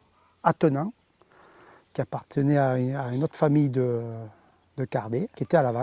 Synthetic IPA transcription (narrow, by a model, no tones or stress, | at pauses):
at̪ɔnɛ̃ | kʲiapaʁt̪ʰənɛaaynot̪χfamijd̪ə | d̪əkaʁd̪ekʲiet̪ɛalavã